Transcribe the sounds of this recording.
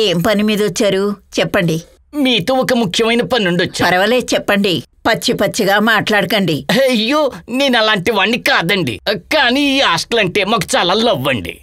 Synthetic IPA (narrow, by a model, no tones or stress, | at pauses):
e̞ːmpɐnimiːd̪ɐʋot͡ʃːaːɾut͡ʃɛpːɐɳɖi | miːt̪oːɔkɐmukʰjɐmɐjnɐpɐninuɳɖiɔt͡ʃːapɐɾɐʋɐleːt͡ʃɛpːɐɳɖipɐt͡ʃːipɐt͡ʃːiɡaːmaːʈlaːɽɐkɐɳɖiɐjːoːne̞ːnɐlaːɳʈiʋaːɳːikaːd̪ɐɳɖḭkaːniːaːsʈɐlɐɳʈe̞ːmaːku̥t͡ʃaːlaːlɐʋːɐɳɖḭ